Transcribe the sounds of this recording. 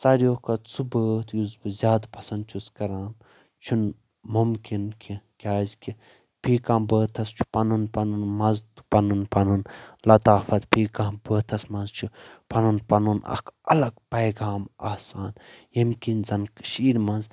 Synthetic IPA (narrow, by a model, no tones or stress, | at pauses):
sɐɾijoːkɐt͡sʰubəːt̪juzbzʲjaːd̪pɐsɐnd̪̚t͡ʃʰuskɐɾaːn | t͡ʃʰun | mumkinkʲʰikʲaːzkʲʰi | pʰiːkãːbəːt̪ʰɐst͡ʃʰu̥pɐnunpɐnunmɐzt̪pɐnunpɐnunlɐt̪aːfɐt̪pʰiːkãːbəːt̪ʰɐsmɐnzt͡ʃʰupɐnunpɐnunɐ̰kʰɐlɐɡpɐjɡaːmaːsaːnjimkʲinzɐnkʃiːɾmɐnz